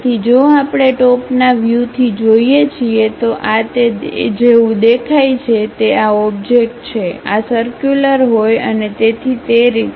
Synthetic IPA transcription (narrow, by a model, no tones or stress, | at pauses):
t̪ʰid͡ʒoapɽ̃eʈɔpnaʋjut̪ʰid͡ʒoiet͡ʃʰiet̪oʔat̪ed͡ʒeũd̪ekʰajt͡ʃʰet̪eaɔbd͡ʒek̚ʈt͡ʃʰea̰səɾkjuləɾɦojə̰net̪et̪ʰit̪eɾit̪